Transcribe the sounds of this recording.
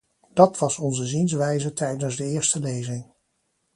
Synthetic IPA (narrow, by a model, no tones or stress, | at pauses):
d̥ɑtʋɑsɔnzəzinsʋɛjzətɛjdənzdəɪːɹstəlejzɪŋ